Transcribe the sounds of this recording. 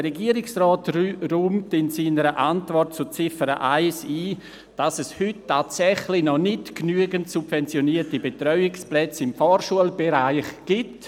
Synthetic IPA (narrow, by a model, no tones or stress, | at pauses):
əɾɛɡiːəɾɪksrɔːtruːmtɪnsiːnəɾəʔantvɔrt̚t͡sʊt͡sɪfəɾə̰ʔaɪsiː | d̥asɛshʏtːaːtt͡sɛχlɪnɔnɪtknyəɡəntsubvɛnt͡sjoniətibetɾɔʏɪksplɛt͡sɪmfɔːɾʃuəlbeɾaɪχɡ̥ɪt